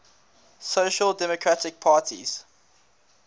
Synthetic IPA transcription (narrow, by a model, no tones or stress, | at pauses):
soʊʃəlˠdɛmɔkʰɹatɪk̚pʰaːtʰḭz̥